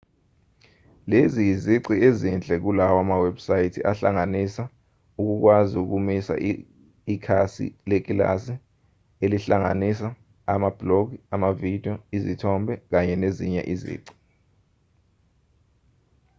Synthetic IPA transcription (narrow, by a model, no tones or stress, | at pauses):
leziziǀiezind͡ɮʱɛk̬ulawamaweb̥sajitʰiʔaɬa̰ŋanisa | uk̬uk̬waziuk̬umisa̰ʔː | kʰasḭlek̬ʼila̰si | eliɬaŋa̰nisa | amab̥lokiamavid̥ʱiɔizitʰɔmbʱɛk̬aɲɛneziɲɛ̰ʔizḭːǀi̥